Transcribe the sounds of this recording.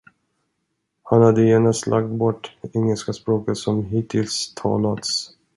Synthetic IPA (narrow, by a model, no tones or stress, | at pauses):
hanhad̪ːəjeːnast̪lʔak̚t̪̚bɔʈːɛŋːəlskaspɾoːkət̪sɔmɦiːt̪ʰɪlst̪ʰɑ̰ːlat̪s